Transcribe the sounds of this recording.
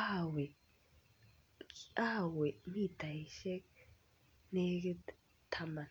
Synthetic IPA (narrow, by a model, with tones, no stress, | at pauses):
a˦wɛ˨ | a˦wɛ˨mi˦˨ta˨i˨ʃɛ˦k̚ | ne˦ | t̪ʰa˨ma˨n